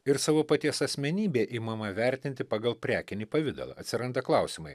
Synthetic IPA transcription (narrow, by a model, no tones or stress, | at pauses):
ɪɾsɑːʋoːpɐt̪ʲiɛsɐsʲmʲɛnʲiːbʲeːʔiːmɐmɐʋʲæɾʲt̪ʲɪnʲt̪ʲɪpɑːɡɐlˠpʲɾʲæːkʲɪnʲiːpɐʋʲɪd̪ɐ̰lˠɐ̰ɐt̪ʲsʲɪɾɐnd̪ɐklˠɐˑʊsʲiːmɐɪ